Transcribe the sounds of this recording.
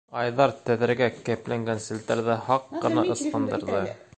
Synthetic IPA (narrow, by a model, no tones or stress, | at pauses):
ɑjðɑɾt̪æðɘ̆ɾɡækæplæŋɡænsɘ̆lt̪æɾðɘhɑqːɤ̆nɑʔɤ̆sqɤ̆nd̪ɤ̆ɾðɤ